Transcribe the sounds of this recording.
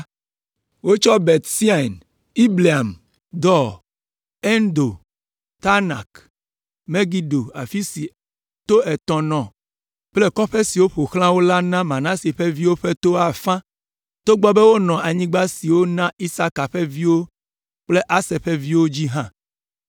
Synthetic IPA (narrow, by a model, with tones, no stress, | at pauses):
wo˦t͡ʃɔ˦be˨t̪si˦a˨n | i˦bli˨a˨m | d̪ɔ˦ | e˦nd̪o˨ | t̪a˦na̰˨k | me˦ɡi˦ɖo˨a˨fi˦si˨ | t̪o˦ɛ˨t̪ɔ̃˨nɔ̃˨ | k͡ple˦kɔ˦ɸe˦si˨wo˦ɸo˨xl̃ã˦wo˦la˦nã˦mã˨nã˦si˨ɸe˦vi˦wo˦ɸe˦t̪o˦a˨fã˦ | t̪o˦ɡ͡bɔ˦be˦wo˦nɔ̃˨a˨ɲĩ˦ɡ͡ba˦si˨wo˦nã˦i˦sa˦ka˨ɸe˦vi˦wo˦ | k͡ple˦ʔa˦se˨ɸe˦vi˦wo˦d͡ʑi˦ɦã˦